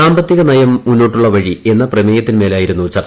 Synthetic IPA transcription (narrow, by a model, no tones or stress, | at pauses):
aːmbɐt̪ːjiɣɐnɐjɐmːunːo̞ːʈːuɭːɐʋɐɻie̞nːɐprɐmeːjɐt̪ːinme̞ːlaːjiɾunːut͡ɕɐr